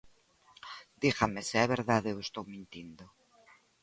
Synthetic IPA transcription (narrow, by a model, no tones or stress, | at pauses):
d̪ixameseɛβeɾðaðwest̪owmĩnt̪ind̪o